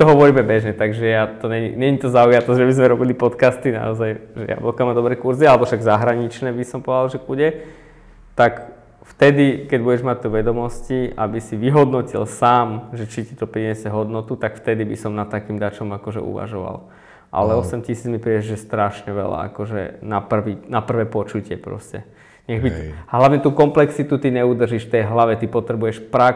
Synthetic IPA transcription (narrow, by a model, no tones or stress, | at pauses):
t̪ɔɦɔʋɔɾiːmɛbɛʒɲɛt̪aɡʒɛjat̪ɔɲɛɲḭɲɛɲit̪ɔzaujat̪ɔʒɛbizmɛɾɔbilipɔt̪kast̪ina̰ɔzajʒɛ̰ja̰bɔkamad̪ɔbɾɛkuɾzialɛbɔfʃaɡzaɦɾaɲit͡ʃnɛːbisɔmpɔd̪alʒɛbuɟɛ | t̪ak | ft̪ɛd̪ikɛɟbuɟɛʒmac̚t̪uʋɛd̪ɔmɔscia̰bisiʋiɦɔd̪nɔcḭlsaːmʒɛt͡ʃitit̪ɔpɾiɲɛsɛɦɔd̪nɔt̪ut̪akft̪ɛd̪ibisɔmnat̪ːakiːmd̪at͡ʃɔmakɔʒɛ̰ʔṵʋa̰ʒɔʋa̰l | ʔa̰lɛɔsɛmcisiːd͡zmipɾiːɛʒjɛst̪ɾaʃɲɛʋɛ̰la̰a̰kɔʒɛ̰napr̩ʋinapr̩ʋɛːpɔt͡ʃucɪɛpɾɔ̰scɛ | ɲɛɣbiɦlaʋɲɛt̪uːkɔmplɛksit̪ut̪iɲɛud̪r̩ʒiʃft̪ɛjɦlaʋɛt̪ipɔt̪ɾɛbujɛʃpɾa